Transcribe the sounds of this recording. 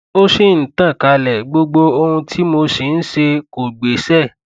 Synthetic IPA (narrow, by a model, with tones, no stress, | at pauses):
o˦ʃe˦˨n̩˨tã˦˨ka˨˦lɛ˨ɡ͡bo˧ɡ͡bo˧o˧hũ˧tʰi˦mo˧se˨n̩˦ʃe˧ko˨ɡ͡be˨sɛ˦˨